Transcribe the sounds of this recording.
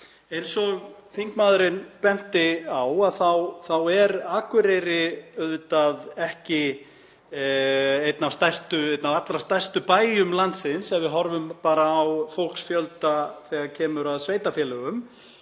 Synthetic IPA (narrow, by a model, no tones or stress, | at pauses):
ɛɾ̥sɔɣθiŋkmaːðɾɪnpɛn̥t̪ɪawaðθawθawɛɾaːkʏɾeɾɪœðt̪aðɛhcɪ | ejt̪navst̪ajst̪ʏejt̪navat̪lɾast̪ajst̪ʏpaːjjʏmlant̪sɪnsɛvɪðɦɔɾvʏmpaːɾaːwfowl̥ksfjœlt̪aθɛɣaɾcʰɛːmʏɾaðsveːjt̪afjɛːlœɣʏm